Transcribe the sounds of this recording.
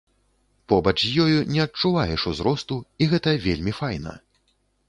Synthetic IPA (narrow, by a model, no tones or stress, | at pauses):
pɔbɐt͡ʂjɔjunʲɛɐt͡ʂuvajɛʂuzɾɔst̪uiɣɛt̪ɐvʲelʲmʲifajnɐ̰